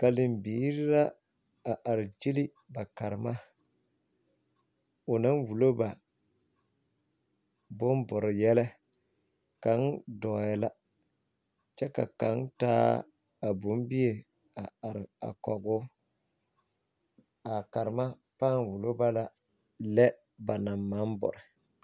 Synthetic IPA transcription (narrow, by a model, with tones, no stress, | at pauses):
ka˨lɪ˨mbiː˨˦ɾɪ˦la˦ | a˨ʔa˨ɾɪ˨d͡ʒi˦li˦ | ba˨ka˨ɾɪ˨ma˦ | ʊ˨na˦nwu˨lo˦ba˨ | bʊ˦m˦bʊ˨ɾɪ˨jɛ˦lɛ˦ | ka˨˦ndɔ˨jɛ˨la˦ | t͡ʃɛ˦ka̰˨ka˨˦ntaː˦ | a˨bʊ˨˦m˦bi˦e˨ | a˨a˨ɾɪ˨a̰˨kɔ˨ɡʊ˦ | a˨ka˨ɾɪ˨ma˦ | paː˦˨n˨wu˨lo˦ba˦la˨ | lɛ˦ | ba˨na˨mːa˨˦m˦bʊ̰˨ɾɪ˨